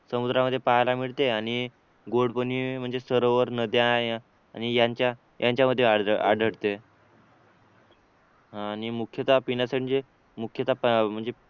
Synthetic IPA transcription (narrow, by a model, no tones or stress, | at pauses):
səmud̪ɾaməd̪ʱːjepajlamiɭt̪eaɽ̃i | ɡoɽpənim̤əɳd͡zesəɾoʋəɾnəd̪ja | añijaɲt͡ɕja | jʔaɲt͡ɕjaməd̪ʱːjea̰ɖʱəɽt̪e | ɦãːnimukʰjət̪apinasəɳd͡ʑe | mukʰjət̪apm̤əɳd͡ze